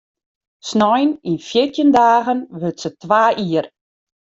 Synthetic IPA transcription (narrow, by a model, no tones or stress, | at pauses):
snɔjninfjɪtʰjəndaːɣənʋøtsətʋaːʔiər